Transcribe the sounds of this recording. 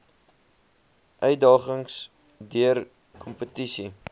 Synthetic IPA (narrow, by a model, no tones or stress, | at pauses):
ʔœɥdɑːχəŋs | dyər | kʰɔmpətisi